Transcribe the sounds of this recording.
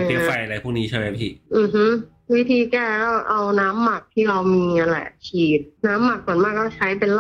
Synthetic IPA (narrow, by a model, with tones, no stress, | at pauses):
e˧˩fa˧jʔa˧ɾa˧jpʰuː˥˩kniː˦˥t͡ɕʰa˥˩ma˦˥jpʰiː˧˥˩ʔɯː˨˩ɦɯ˦˥ | wi˦˥t̪ʰiː˧kɛː˥˩kɔː˥˩ʔa˧wnaː˦˥mːa˨˩k̚t̪ʰiː˥˩ɾa˧wmiː˧ŋa˧nlɛ̰˨˩ʔt͡ɕʰiː˨˩t̪̚naː˦˥mːa˨˩k̚su˨˩˦nmaː˥˩kːɔː˥˩t͡ɕʰa˦˥jpe˧nl